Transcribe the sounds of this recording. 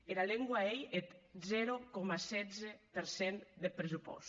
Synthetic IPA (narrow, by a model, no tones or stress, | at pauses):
eɾaleŋɡwaejet̪zɛɾokɔmasɛzepeɾsɛnd̪epɾesupɔ̰s